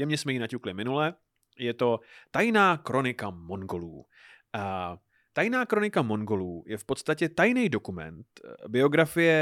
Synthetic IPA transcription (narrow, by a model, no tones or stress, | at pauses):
jɛmɲɛsmɛjinacuklɪmɪnulɛ | jɛt̪o̞t̪ajnaːkɾo̞nɪkamo̞ŋɡo̞lṵː | a | t̪ajnaːkɾonɪkamo̞ŋɡo̞luːjɛfpo̞t̪st̪acɛt̪ajnɛjdo̞kumɛ̰nt̪bɪo̞ɡɾafɪjɛ